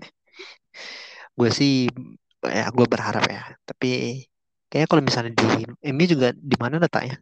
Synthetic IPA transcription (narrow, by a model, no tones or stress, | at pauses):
ɡuasɪh | ja̰ɡuabərɦaɾa̰pjat̪ḁpi | kajakalomisalɲadiɛmad͡ʒuɡadimanalat̪a̰ʔɲa